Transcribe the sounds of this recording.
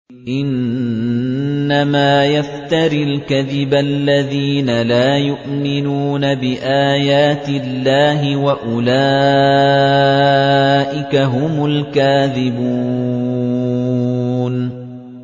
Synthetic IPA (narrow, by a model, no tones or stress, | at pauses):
ʔɪn | amaːjaft̪aɾilkaðɪbalːaðiːnalaːjʊʔmɪnuːnabɪʔaːjaːt̪ɪlːaːɦɪwaʔʊlaː | ʔɪkaɦʊmʊlkaːðɪbuː | n